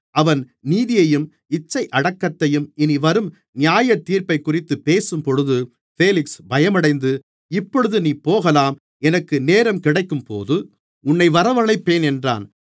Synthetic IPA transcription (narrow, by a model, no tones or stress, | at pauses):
ʔɐʋɐn | niːðɪjɐjɯm | ɪt͡ʃːɐɪʔɐɽɐkːɐt̪ːɐjɯmɪniʋɐɾɯm | nɪjaːjɐt̪ːiːɾpɐɪkːʊrɪt̪ːɯpeːsɯmpɔɻɯðɯ | feːlɪksbɐjɐmɐɽɐɪnd̪ɯ | ɪpːɔɻɯðɯniːpoːɣɐlaːm | ɛnɐkːɯneːɾɐmkɪɽɐɪkːɯmpo̰ːðɯ | ʊnːɐɪʋɐɾɐʋɐɭɐɪpːeːnɛndra̰ːn